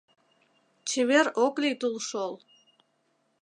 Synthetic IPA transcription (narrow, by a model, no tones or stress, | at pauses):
t͡ɕʰeβeɾoklʲit̪ulˠʃolˠ